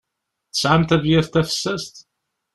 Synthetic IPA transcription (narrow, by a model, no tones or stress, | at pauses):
θə̥sʕamt̪ævjæθt̪æfə̥sːæst̪